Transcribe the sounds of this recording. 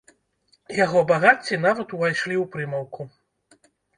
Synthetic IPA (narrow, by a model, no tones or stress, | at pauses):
jaɣɔbaɣat͡sʲːinavɐt̪uvajʂlʲiwpɾɨmɐwkʰu